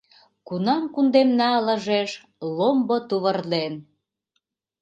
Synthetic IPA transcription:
kunɑmkund̪emnɑlə̆ʒeʃ | lombot̪uβərlen

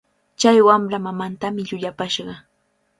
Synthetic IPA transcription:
t͡ʃajwamɾamamant̪amɪʎʊʎapaʃɢɑ

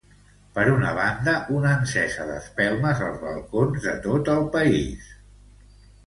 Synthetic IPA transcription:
pəɾunəβ̞and̪əʔunənsɛsəðə̰spɛlˠməzəlˠzβə̰lˠkonzðət̪ot̪əlˠpəḭs

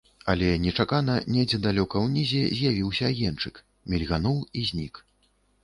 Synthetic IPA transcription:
ɐlʲɛnʲɛt͡ʂakanɐnʲɛjd͡zʲɛd̪alʲɔkɐwnʲizʲɛzʲjavʲiwsʲɐːjɛnt͡ʂɨk | mʲɛlʲɣanɔwizʲnʲik

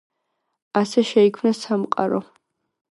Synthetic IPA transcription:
asɛʃɛikʰmnɐsamqʼa̰ɾo̰

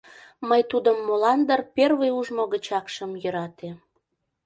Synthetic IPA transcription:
məjt̪ud̪əmːolɑnd̪ərperβəjuʒmoɣət͡ɕɑkʃəmjøɾɑt̪e

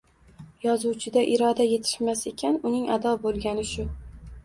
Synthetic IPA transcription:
jɒzuwt͡ʃʰɪd̪aʔɪɾɒd̪aje̞t̪ʰɪ̥ʃmase̞kʲʰanʊnɪŋad̪ɒbolˠɡʲanɪʃʊ

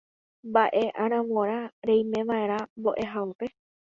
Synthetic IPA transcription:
mbaʔe̞ʔaɾãʋoɾ̃aɾejmẽ̞ʋae̞ɾ̃ãmbo̞ʔe̞ɦaope̞

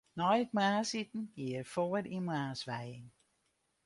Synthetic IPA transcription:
nɔjət̚maːsit̪n̩ɡ̥iəɾfɔːɾimaːsʋæjɪŋ

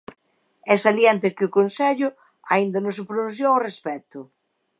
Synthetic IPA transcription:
ɛsaljent̪ɪkɪʊkonsɛʎʊ | aind̪ɐnõs̬ɪpɾonũθ̬joŋorespɛt̪ʊ

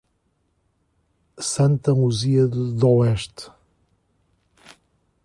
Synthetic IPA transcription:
sɐ̃nt̪ɐmuziɐðɨðɔɛʃt̪

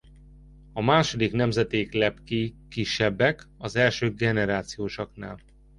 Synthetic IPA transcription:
ɒmaːʃo̞d̪iknɛmzɛt̪eːklɛpkikiʃːɛbːɛkɒzɛlʃøːɡɛnɛɾaːt̪sijoːʃokna̰ːl

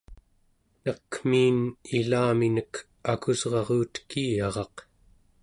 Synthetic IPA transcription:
nʌkm̥iːnilaːminək | akuzʁɑʁuːt̪kiːjɑʁɑq

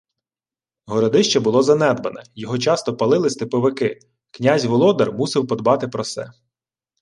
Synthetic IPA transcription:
ɦɔɾɔd̪ɪʃt͡ʃɛbʊlˠɔzɐnɛd̪bɐnɛjɔɦɔt͡ʃɑst̪ɔpɐlˠɪlˠɪsʲt̪ɪpɔʋɪkɪ | knʲazʲʋɔlˠɔd̪ɐrmusɪwpɔd̪bɑt̪ɪpɾɔsɛ̰

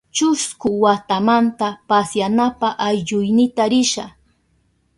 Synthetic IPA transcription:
t͡ʃʊskʊwat̪amant̪apasjanapaʔajʎʊjnɪt̪aɾɪʃa̰

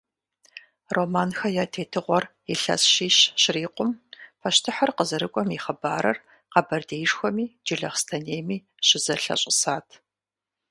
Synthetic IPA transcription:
romaːnxɐjaːtʰeːtʰɨʁʷɔr | iɬɐ̰sʃiːɕɕɪriːqʷʼʊmpʰɐʃtʰɨħɐrqəzɐɾɨkʷʼɔmiχɐbaːɾɐr | qɑbɐrdeːjʂxʷɔmiːd͡ʒɪɮɐχstʰɐneːmiː | ɕɪzɐɬɐ̰ɕʼɪsaːtʰ

